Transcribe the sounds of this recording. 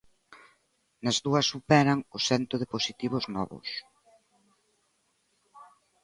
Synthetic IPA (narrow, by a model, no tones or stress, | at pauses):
nɐzðuɐsːupɛɾɐŋʊsɛnt̪ʊðɪposit̪iβ̞ʊznɔ̰βʊ̰s